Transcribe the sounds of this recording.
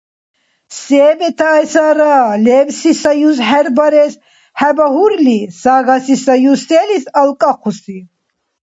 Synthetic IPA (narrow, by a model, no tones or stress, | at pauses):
sɛːbɛt̪ʰaːjsaɾaːlɛːbsisajus̬ɦɛɾbaɾɛs | hɛbaɦuɾlisaːɣasisajusɛːlisalkʼaqʰusi